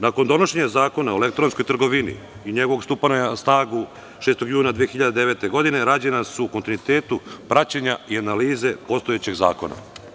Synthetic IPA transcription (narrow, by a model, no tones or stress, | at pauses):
nako̞nd̪o̞no̞ʃe̞ɲazaːko̞naoele̞k̚t̪ɾo̞nsko̞jt̪r̩ɡo̞ʋinḭ | iɲe̞ɡo̞ʋo̞ɡst̪upanojasnaːɡu | ʃest̪o̞ɡjuːnad̪ʋijexiʎad̪ed̪e̞ʋe̞t̪e̞ɡo̞d̪ine̞ɾaːd͡ʑenasuːko̞nt̪inuit̪e̞ːt̪upɾat͡ɕaɲaianaliːze̞po̞st̪o̞jet͡ɕe̞ɡza̰ːko̞̰na̰